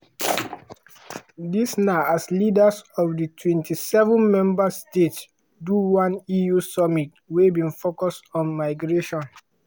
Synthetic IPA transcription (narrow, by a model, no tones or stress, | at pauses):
disnaaslidasɔfditʰwɛ̃ntʰisɛvɔ̃nmɛ̃mbastets | duwãnijusɔmit̚ | webĩnfokɔstɔ̃nmaɪɡɹeʃɔ̃n